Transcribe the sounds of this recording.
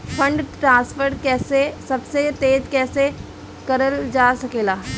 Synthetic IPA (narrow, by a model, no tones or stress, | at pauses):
pʰɐ̃ɳɖʈɾãːspʰəɾʈkɛːsesɐbset̪eːd͡ʒ̪kɛːse | kɐɾəld͡ʒaːsɐkeːlaː